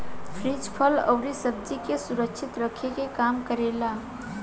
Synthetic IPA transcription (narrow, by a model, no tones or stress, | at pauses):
pʰɾid͡ʒpʰələ̰wɾisəb̚d͡ʒikesuɾək̚t͡ʃʰit̪ɾəkʰːekekamkəɾela